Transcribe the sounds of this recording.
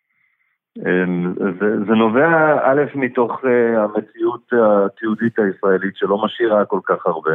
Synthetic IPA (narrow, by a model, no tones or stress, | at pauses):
emzezeno̞veaʔale̞fmito̞χeamet͡siut̪at̪iudit̪aisʁae̞litʃelo̞maʃiʁako̞lkaχaʁbe̞